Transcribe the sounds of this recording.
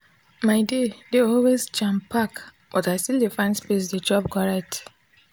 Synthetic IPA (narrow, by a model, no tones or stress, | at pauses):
maɪdedeɔlwezd͡ʒãmpʰak | b̥ɔtaɪstildefãɪ̃nspes̬ded͡ʒɔb̚kɔɹɛt